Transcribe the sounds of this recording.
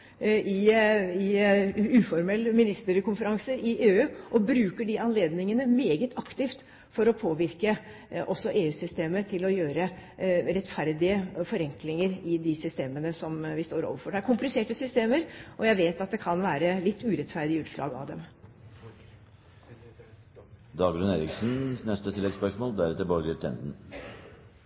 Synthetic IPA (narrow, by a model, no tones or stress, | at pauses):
ʔɪɪʉːfɔɾmɛlːmɪnɪst̪əɾkʰʊnfəɾɑŋsəʔɪʔeːʉːʔɔbɾʉːkəɖɪʔɑnleːd̪nɪŋənəmeːɡət̪ʰɑkt̪ɪft̪ | fɔɾɔpʰoːʋɪɾkə | ʔɔsːɔʔeːʉːsʏst̪eːmət̪ʰɪlɔjøːɾəɾɛt̪fæɾd̪ɪəfɔɾɛŋklɪŋəɾɪd̪ɪsʏst̪eːmənəsɔmʋɪst̪oːɾo̰ːʋəɾfɔɖɛæɾkʰʊmplɪseːʈəsʏst̪eːməɾʔɔjæɪʋeːt̪ɑt̪̚d̪ɛkʰɑnʋæːɾəlɪt̪ʰːʉːɾɛt̪fæɾd̪ɪəʉːt̪ʂɭɑ̰ːɡɑ̰ʋd̪ɛm | d̪ɑːɡlʉneːɾɪksn̩snɛst̪ət̪ʰɪlɛɡspœʂmoːld̪æɾɛt̪əbɔɾɡət̪ʰɛ̰nd̪n̩